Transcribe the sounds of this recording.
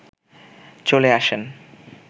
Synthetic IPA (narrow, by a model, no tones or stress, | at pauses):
t͡ɕoleaʃen